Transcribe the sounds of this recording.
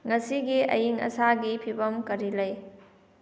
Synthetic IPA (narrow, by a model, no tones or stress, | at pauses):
ŋɐsiɡiɐ̰jiŋɐ̰saɡipʰibɐmkɐɾilɐj